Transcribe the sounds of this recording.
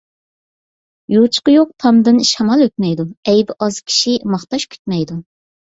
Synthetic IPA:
jot͡ʃʰqəjoq̚t̪ʰɑmd̪ɨnʃɑmɑlˠøt̪̚mɛjd̪uɛjbɪʔɑzkʲʰi̥ʃimɑχt̪ɑʃkʲʰy̥t̪̚mɛjd̪u

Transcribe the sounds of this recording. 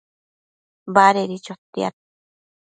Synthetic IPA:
baɾeɾit͡ʃot̪ːia̰t̪̚

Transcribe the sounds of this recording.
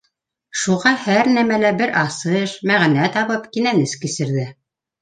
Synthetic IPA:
ʃuʁɑhæɾnæmælæbɘɾʔɑsɤʃmæʁnæt̪ɑβɤpkinænɘskɘ̆sɘ̆ɾðɘ

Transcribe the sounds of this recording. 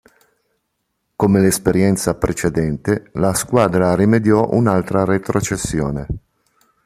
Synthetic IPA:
komelespeɾjɛnt̪sapɾʔet͡ʃed̪ɛnt̪elaskwaːd̪ɾarimed̪jɔʔṵnalt̪ɾaret̪ɾot͡ʃesːjo̰ːne

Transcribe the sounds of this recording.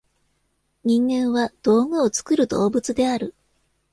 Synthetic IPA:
ɲ̟ĩŋɡẽ̞ɰ̃βad̪̥o̞ːmɯ̟o̞t͡sɨ̥kɯ̟ɾɯ̟d̪o̞ːbɯ̟t͡sɨd̪e̞aɾɯ̟

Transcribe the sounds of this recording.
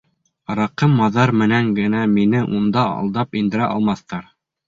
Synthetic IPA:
ɾɑqɤmːɑðɑɾmɘ̆næŋɡɘ̆næminɘʔund̪ɑɑ̰lˠd̪ɑpind̪ɘ̆ɾæʔɑlˠmɑθt̪ɑɾ

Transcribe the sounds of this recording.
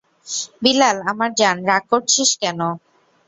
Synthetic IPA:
bilalamaɾd͡ʑanɾaɡ̚koɾt͡ɕʰiʃkɛno

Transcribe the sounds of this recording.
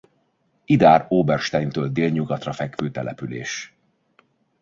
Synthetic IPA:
id̪aːɾoːbɛrʃt̪ɛjnt̪øːld̪eːlɲuɡɒt̪rɒfɛkføːt̪ɛ̰lɛ̰pylḛːʃ

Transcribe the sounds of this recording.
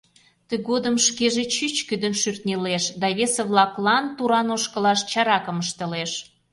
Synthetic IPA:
t̪əɣod̪əmʃkeʒet͡ɕyt͡ɕkyd̪ənʃyrt̪nʲeleʃd̪ɑβeseβlɑklɑnt̪uɾɑnoʃkə̆lɑʃt͡ɕɑɾɑkəməʃt̪ə̆leʃ

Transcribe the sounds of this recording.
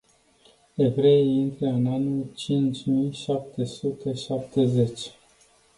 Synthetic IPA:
e̞vɾe̞ejint̪ɾeɨnanut͡ʃint͡ʃʲmijʃap̚t̪ʰe̞sut̪e̞ʃap̚t̪e̞ze̞t͡ʃʲ

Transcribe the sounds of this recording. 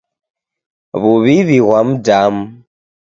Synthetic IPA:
βuβiβiɣwam̩dam̩

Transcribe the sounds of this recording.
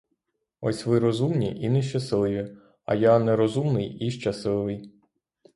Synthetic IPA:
ɔ̰sʲʋɪɾɔzumnʲḭʔinɛʃ̬t͡ʃɐsɪlˠɪʋʲi | ɐ̰janɛɾɔzumnɪjiʃt͡ʃɐsɪlˠɪʋɪj

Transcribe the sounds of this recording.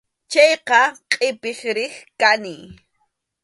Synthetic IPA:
t͡ʃɑjqɑqʼɪpɪχɾɪχkanɪj

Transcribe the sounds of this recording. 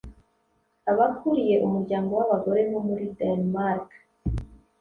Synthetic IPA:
aβakuɾije̞ʔumuɾɟaːŋɡo̞waβaɡo̞ɾe̞nomuɾidanmaɾk

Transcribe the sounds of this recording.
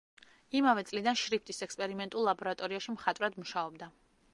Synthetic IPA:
imavɛt̪sʼlid̪anʃɾipʰt̪ʼisɛkspʼɛɾimɛnt̪ʼulˠːabɔɾat̪ʼɔɾiaʃimχat̪ʼvɾad̪muʃaɔbd̪a

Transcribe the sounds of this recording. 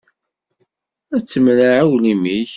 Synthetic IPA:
æt͡sːəmlaʕawlimiç

